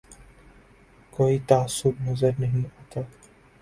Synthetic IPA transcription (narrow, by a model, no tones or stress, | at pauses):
koːit̪aasːʊbnɐzəɾnɐɦĩaːt̪aː